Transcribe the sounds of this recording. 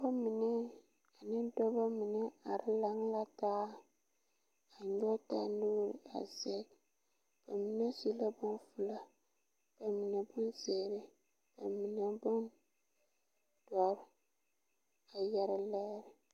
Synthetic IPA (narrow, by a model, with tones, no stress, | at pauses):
ba˦mi˨nɛ˦ | a˨nɪ˦dɔ˦ba˦mi˨nɛ˦a˨ɾɪ˦la˦ŋ˦la˦taː˦ | a˨ɲɔ˦ta˦˨nuː˦ɾɪ˨a̰˨zɛ˦k | ba˨mi˦nɛ˦si˦la˦bʊ˦nfʊ˦la˦ | ba˨mi˨nɛ˨bʊ˦nzɛː˨ɾɪ˦ | ba˨mi˨nɛ˨bʊ˦n | d̥ɔ˨ɾ | a˨jɛ˨ɾɪ˨lɛ˦ɾɪ˨